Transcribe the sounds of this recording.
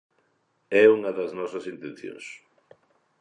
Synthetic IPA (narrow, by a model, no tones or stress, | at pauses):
ɛuŋɐðɐznɔsɐsint̪ẽnθjõ̰ŋs